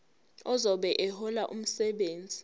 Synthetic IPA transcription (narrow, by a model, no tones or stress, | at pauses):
ɔzɔɓɛʔɛhɔlaʔum̩sɛɓeːnd͡zʱi